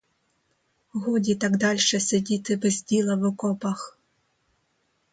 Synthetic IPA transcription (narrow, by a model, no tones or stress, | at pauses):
ɣɔdʲit̪aɡd̪ɑlʲʃɛsʲedʲit̪ɪbɛzʲdʲilˠɐʋʊkɔpɐx